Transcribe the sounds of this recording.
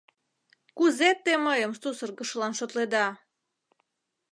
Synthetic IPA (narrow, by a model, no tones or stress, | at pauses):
kuzet̪ːeməjəmst̪usərɣəʃlɑnʃot̪led̪ɑ